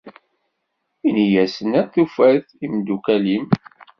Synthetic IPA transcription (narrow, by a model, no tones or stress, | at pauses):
inijæsənæθufæθ | imd̪ukælim